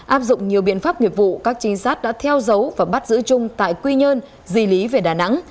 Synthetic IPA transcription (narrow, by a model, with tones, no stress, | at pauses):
ʔaː˦˥p̚zʊ̰˧˨ŋ͡mɲi˨˩əwɓḭ˧˨ənfaː˦˥p̚ŋi˨˩ət̚vṵ˧˨kaː˦˥k̚t͡ɕï˨˦ŋ̟saː˦˥t̚ɗa̰ː˧˥t̪ʰɛ˧wzə˨˦wvaː˨˩ɓa˦˥t̚zɨ̰˧˥t͡ɕʊ˧ŋ͡mt̪a̰ː˧˨jkwi˧ɲə˧n | zi˨˩li˨˦ve˨˩ɗaː˨˩na̰˧˥ŋ